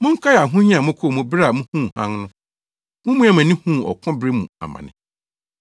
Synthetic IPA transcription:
mʊ̃˦ŋ̩˦kʰa˦ja˨ɦũ˦ɲĩ˦ã˨mʊ̃˦kʰo˦˨mʊ̃˨bɾa˨mũ˦hũ˦˨hã̰˦ŋnʊ̃˦ | mʊ̃˦mũ˦ã˨mã˨nĩ˦hũ˦˨ɔ̰˨kʰʊ̃˦bɾe˦mṵ̃˨a̰˨mã̰˨nɪ̰̃˦

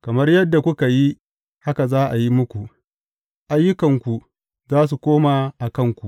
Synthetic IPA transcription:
kɐ˨mɐ˦rjɐ˦dːa˨kʷʊ˦ka˨ji˦ | ha˦ka˨zaː˦ʔa˨ji˦mʊ˦kʷu˨ʔ | ʔa˦jːʊ˦kɐ˨ŋkʷu˨ | zaː˦s̬u˨kʷoː˦ma˨ʔa˨kɐ˦ŋkʷu˨ʔ

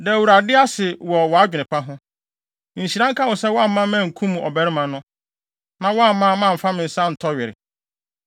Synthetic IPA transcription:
dɛ˨wu˨ɾa˨dɪ˦a˦sɪ˨wɔ˨wɔ˨a˦d͡ʑᶣɪ˨nɪ̃˨pa˦ɦʊ̃˦ | n̩˨ɕi˨ɾã˦ŋ̩˦kʰa˦wʊ˨sɛ˦wɔ˦a˦m̩˦mã˦mɛ̃˦˨ŋ̩˨kʰũ˦mũ˨ʔɔ˨bɛ˦ɾɪ˦mã˨nʊ̃˦ | nã˨wa˦m˦mã˦˨˦mã˦˨m̩˨fa˦mɪ̃˨n̩˨sa˦n̩˨tʰɔ˦ɥɪ˨ɾɪ̰˨

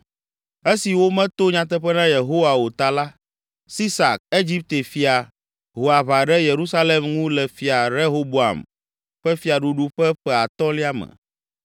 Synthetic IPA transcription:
e˦si˨wo˦mɛ̃˦t̪o˦ɲã˨t̪̬ɛ˦ɸɛ˦nã˦je˨ɦo˦wa˨wo˨t̪a˨la˦ | si˦sa̰˨k̚e˦d͡ʑi˦p̚t̪e˨fi˨a˨ | ɦo˨a˨βa˨ɖɛ˦je˨ɾu˦sa˦le˨mŋũ˦lɛ˨fi˨a˨ɾe˦ɦo˦bo˦a̰˨m | ɸɛ˦fi˨a˨ɖu˦ɖu˦ɸɛ˦ɸɛ˨a˨t̪ɔ˦li˦a˦mɛ̰˨

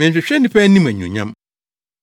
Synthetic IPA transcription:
ɛ̃˨ɕᶣɛ˨ɕᶣɛ˦nɪ̃˦pɛ˦nĩ˦m˨ɛ˨ɲṵ̃˨ɲã̰˦m

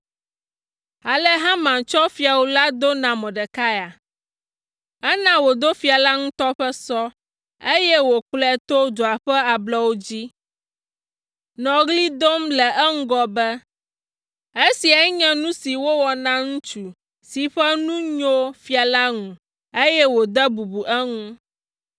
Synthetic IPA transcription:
a˨le˦ɦã˦mã˨t͡ʃɔ˦fi˦a˨wo˨la˦d̪o˦nã˨mɔ̃˨ɖɛ˨ka˦ja˨ | ɛ˦nã˦wo˨d̪o˦fi˨˦a˨la˦ŋũ˦t̪ɔ˦ɸɛ˦sɔ˦ | e˦jɛ˦wo˨k͡plɛ˨t̪o˦d̪o˨a˨ɸɛ˦a˨blɛ˦wo˦d͡ʑi˦ | nɔ̃˨ɣli˦d̪o˦mlɛ˨ɛ˦ŋ̩˦ɡɔ˦bɛ˦ | e˦si˨a˨˦ɲɛ̃˦nũ˦si˨wo˦wɔ˨nã˦ŋũ˦t͡ʃu˨ | si˨ɸɛ˦nũ˦ɲo˦fi˦a˨la˦ŋũ˨ | e˦jɛ˦wo˨d̪ɛ˦bu˨bu˨ʔɛ˦ŋũ˦

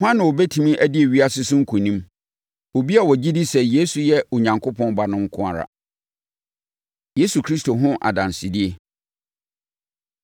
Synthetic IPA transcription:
hã˦nã˨wɔ˨bɛ˦tʰĩ˨mĩ˦ʔæ˦di˦e˨ɥi˦a˦sɪ˦sʊ̃˦ŋ̩˦kʰʊ̃˨nĩ˦m | wo˨bi˦a˨wɔ˨d͡ʑi˦di˦sɛ˨je˦su˨jɛ˦o˨ɲã˨ŋkʰʊ˦pʰɔ̃˦nba˨nʊ̃˦ŋ̩˦kʰʊ̃˦a̰˨ɾa̰˨ | je˦su˨kʰɾi˦s̬to˨ɦʊ̃˦ʔa̰˨dã˨n˨sɪ˨di˦e˦

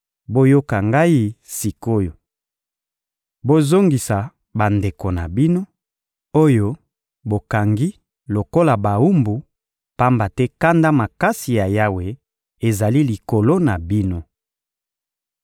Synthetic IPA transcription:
bo˦jo˦ka˨ŋɡa˦i˦si˨ko˦jo˨ | bo˦zo˦ŋɡi˨sa˨ | ba˨nde˨ko˨na̰˨bi˦no˦ | o˦jo˦ | bo˨ka˨ŋɡi˦ | lo˨ko˦la˨ba˨u˦mbu˨ | pa˦mba˨tɛ˦ka˦nda˦ma˨ka˦si˨ja˨ja˦we˨ | e˨za˨li˦li˨ko˨lo˦na˨bi˦no˦

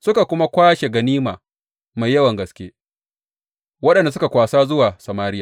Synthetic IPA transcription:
sʊ˦ka˨kʷʊ˦ma˦kʷaː˦ʃe˨ɡɐ˨niː˦maː˨ | ma˨jːɐ˦wɐ˨ŋɡɐ˦skʲḛː˦ | wɐ˦ɗɐ˨nda˨s̬ʊ˦ka˨kʷaː˨saː˦zʊ˦waː˨sɐ˨maː˦ɾɪ˦jaː˨

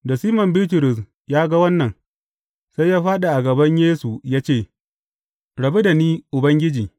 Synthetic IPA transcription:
da˨siː˦mɐ˨mbiː˦t̬ʊ˨ɾʊ˨s̬ | jaː˦ɡa˦wɐ˦nːɐ˨n | sa˦jːaː˦ɸaː˦ɗa˨ʔa˨ɡɐ˨bɐ˦ɲjeː˦su˨jaː˦t͡ʃeː˦˨ | ɽɐ˨bi˦da˨niː˦ʔʊ˨bɐ˦ŋɡʲɪ˦d͡ʒiː˨

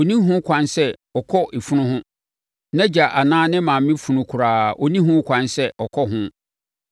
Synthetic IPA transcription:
o˨nĩ˦ɦʊ̃˦kʷʰã˦nsɛ˦ɔ˨kʰɔ˦ʔe˨fu˦nʊ̃˦hʊ̃˦ | nã˦d͡ʑa˨ʔa˨nãː˦nɪ̃˦mã˨m˨˦ɪ̃˦fu˨nʊ̃˨kʰʊ˨ɾaː˨ʔɔ˨nĩ˦ɦʊ̃˦kʷʰã˨nsɛ˦ʔɔ˨kʰɔ˦ɦʊ̃˦

